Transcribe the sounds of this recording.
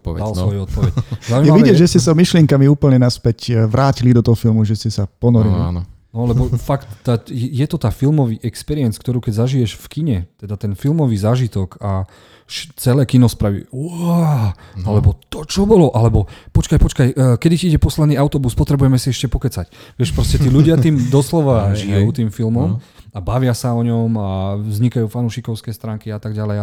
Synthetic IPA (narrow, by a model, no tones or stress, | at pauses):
pɔɛ̰d̪ald̪sʋɔjuɔt̪pɔʋɛczaʊujiɛmaʋiɟɛʒɛscɛsamiʃlɪɛŋkamiuːpl̩ɲɛnaspɛcʋɾʔaːcilid̪ɔt̪ɔɦɔfilmuʒɛscɛsapɔnɔɾilia̰nnɔlɛbɔfakt̪ːajɛjɛt̪ɔt̪aːfilmɔʋiːʔɛkspɛɾiɛnt͡skt̪ɔɾuːkɛɟzaʒijɛʃfkiɲɛt̪ɛd̪at̪ɛnfilmɔʋiːzaːʒit̪ɔka | ʃt͡sɛlɛːkinɔspɾaʋḭːʊa | alɛbɔt̪ɔt͡ʃɔbɔlɔʔalɛbɔpɔt͡ʃkajpɔt͡ʃkajkɛd̪iciiɟɛpɔslɛd̪niːaʊt̪ɔbuspɔt̪ɾɛbujɛmɛsiɛʃcɛpɔkɛt͡sacʋɪɛʃpɾɔscɛt̪iːluɟɪat̪iːmd̪ɔslɔʋaʒijɛjuːt̪iːmfilmɔm | abaʋɪasaɔɲɔmavzɲikajuːfanuːʃikɔʊskɛːst̪ɾaːŋkiat̪aɡɟalɛj